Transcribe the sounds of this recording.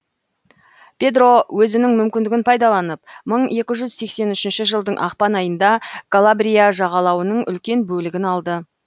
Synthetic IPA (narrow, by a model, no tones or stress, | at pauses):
pʲe̞d̪ro̞wɵzɪnɪŋmʏmkʲɪnd̪ɪɡʲɪnpʰɑjd̪ɑlˠɑnəp̚məɴe̞kʲɪʒʏzse̞kse̞nʏʃɪnʃɪʒəlˠd̪əɴʔɑ̰qpɑnɑjənd̪ɑkolˠabɾʲijaʒɑʁɑlˠɑwənəɴʔʏ̰lkʲe̞nbɵlɪɡʲɪnɑlˠd̪ə